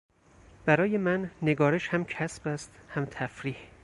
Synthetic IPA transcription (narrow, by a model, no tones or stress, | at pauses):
b̥æɾɒːje̞mænːeɡɒːɾeʃhæmcʰæsb̥æst̪hæmt̪ʰæfɾiːh